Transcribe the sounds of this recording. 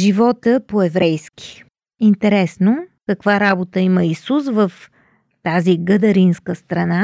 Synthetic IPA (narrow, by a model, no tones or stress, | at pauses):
ʒivɔt̪əpoɛvɾɛjskʲi̥ | int̪ɛɾɛsnokɐkvaɾabot̪əiməisusvəf | t̪aziɡəd̪ɐɾinskəst̪ɾɐna